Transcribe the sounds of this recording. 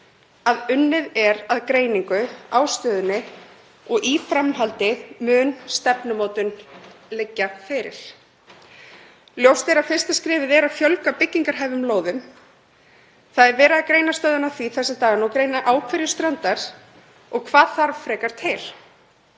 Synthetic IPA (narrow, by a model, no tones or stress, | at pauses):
aðʏnːɪðɛɾaðkɾeːjniŋkʏawst̪œːðʏnːɪ | ɔɣʔifɾamhalt̪ɪðmʏːnst̪ɛpnʏmoːwt̪ʏnlɛcːafɪɾɪ̰ɾ̥ | ljowst̪ɛɾafɪr̥st̪askɾɪːvɪðɛɾafjœlkapɪcːiŋkaɾ̥ɦajvʏmloːwðʏm | θaðɛɾvɛːɾɪðakɾeːjnast̪œːðʏnaθviθɛsːɪt̪aːɣanɔwkɾejnaʔaːwkʰvɛɾjɪst̪ɾœnt̪aɾ̥ | ɔɣkʰvaːðθaɾvfɾɛːkaɾ̥t̪ʰɪl̥